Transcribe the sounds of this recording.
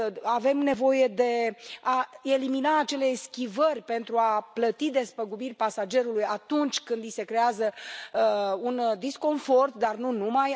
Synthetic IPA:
ave̞mne̞vo̞je̞d̪e̞ae̞liminaːt͡ʃe̞le̞skʲivərʲpe̞nt̪ɾuaplət̪id̪e̞spəɡubirʲpasad͡ʒe̞ɾulujat̪unt͡ʃʲkɨnd̪ise̞kɾe̞azə | und̪isko̞ɱfo̞rt̪d̪arnunumaj

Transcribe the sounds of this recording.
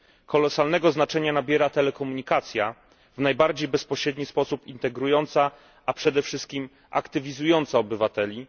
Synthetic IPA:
kʰɔlɔsalnɛɡɔznat͡ʂɛɲanabʲjɛɾat̪ɛlɛkɔmuɲikat̪sʲja | vnajbaɾd͡ʑejbɛspɔɕɾɛd̪ɲispɔsupint̪ɛɡɾujɔnt̪sa | ʔːpʂɛd̪ɛfʂɘst̪̚kʲim | ʔa̰kt̪ɘvʲizujɔnt̪saɔbɘvat̪ɛlʲi

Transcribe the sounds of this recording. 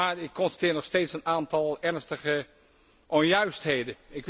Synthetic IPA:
aːɹɪkʰːɔnstatɪːnɔxsteːtsənaːntɑlˠɛrnstəɣə | ʔɔnjœɥstheːdəɪkʋ

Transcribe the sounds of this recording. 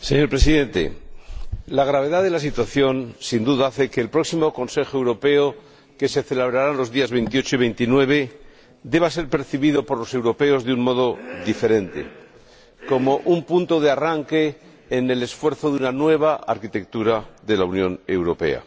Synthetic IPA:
seɲo̞ɾpɾe̞siðe̞nt̪e̞̰ | laɣ̞ɾaβ̞e̞ðaðe̞lasit̪waθjo̞nsind̪uðaaθe̞keːlpɾo̞ksimo̞ko̞nse̞xoe̞wɾo̞pe̞o | ke̞seθe̞leβɾaɾanlo̞zðiazβejnt̪io̞t͡ʃoiβ̞ejnt̪inwe̞β̞e̞ | d̪e̞β̞ase̞ɾpe̞ɾθiβiðo̞poɾlo̞se̞wɾo̞pe̞o̞zðeuŋmo̞ð̞o̞ðifeɾe̞nt̪e̞̰ | ko̞mo̞ʔumpunt̪o̞ð̞earaŋke̞ː | ne̞le̞sfwe̞ɾθo̞ðunanwe̞β̞aaɾkit̪e̞k̚t̪uɾaðe̞launjõ̞ne̞̰wɾo̞pe̞̰a̰

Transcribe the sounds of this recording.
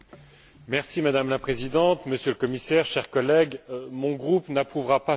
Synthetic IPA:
mɛʁsimad̪amlapχezid̪ɑ̃t̪məsjøləkɔmisɛʁʃɛʁkɔlɛɡmɔ̃ɡʁupnapχuvʁapa

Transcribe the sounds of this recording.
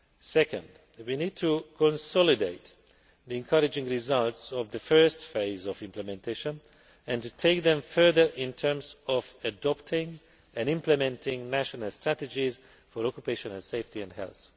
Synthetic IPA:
sɛkə̰̃nd | winid̚tʰukʰɔ̃nsɔlideɪt̪ | ðiɛ̃nkʰʌɾɪd͡ʒɪ̃ŋɹizalˠtsɔvðəfɜ˞stfeɪzɔvɪ̃mpləmɛ̃ntʰeʃə̃n | ɛ̃ntutʰeɪk̚ðɛ̃ɱfɜ˞ðə˞ɪ̃ntʰɜ̃˞mzɔvɨdɔptʰɪ̃ŋ | ɛ̃nɪ̃mplɨmɛ̃ntʰɪ̃ŋnæʃɔnəlˠstʰɹ̥ætɨd͡ʒiz | fɔɹɔkjupeʃə̃nə̃nseɪftiɛ̃ndhɛ̰lθ

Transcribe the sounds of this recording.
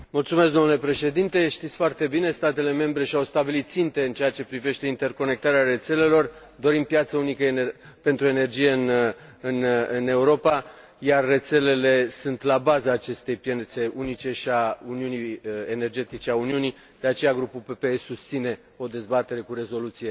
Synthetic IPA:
mult̪sumes̬k̪d̪o̞nulepɾe̞ʃe̞d̪int̪e̞ʃt̪it̪sʲfoart̪e̞bine̞st̪at̪e̞le̞mẽ̞mbɾe̞ʃiawst̪abilit̪̚sint̪e̞ɨnt͡ʃeat͡ʃe̞pɾive̞ʃt̪e̞int̪e̞rko̞ne̞k̚t̪aɾeaɾe̞t̪se̞le̞lo̞r | d̪o̞ɾimpjat̪səunikə | pe̞nt̪ɾue̞ne̞rd͡ʒije̞ɨnɨnɨne̞uɾo̞pa | jarːe̞t̪se̞le̞le̞sunt̪labazaːt͡ʃe̞st̪e̞jpje̞nt̪se̞ʔunit͡ʃe̞ʃiauniuniene̞rd͡ʒe̞t̪it͡ʃeauniuni | d̪̥eat͡ʃe̞jaɡɾupulpepeesust̪sine̞ | o̞d̪e̞zbat̪e̞ɾe̞kuɾe̞zo̞lut̪sije̞

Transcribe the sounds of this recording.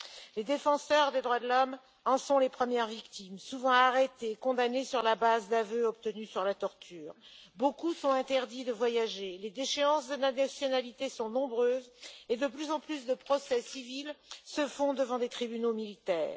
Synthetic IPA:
led̪efɑ̃sœʁd̪ed̪ʁwad̪əlɔm | ɑ̃sɔ̃lepχəmjɛʁvikt̪imsuvɑ̃aʁet̪ekɔ̃d̪anesyʁlabazd̪avøɔp̚t̪ənysyʁlat̪ɔʁt̪yːʁbokusɔ̃ɛ̃t̪ɛʁd̪id̪əvwajaʒeled̪eʃeɑ̃sd̪ənanasjɔnalit̪esɔ̃nɔ̃bʁøːzed̪əplyzɑ̃plysd̪əpχɔsɛsivilsəfɔ̃d̪əvɑ̃d̪et̪χibynomilit̪ɛ̰ːʁ

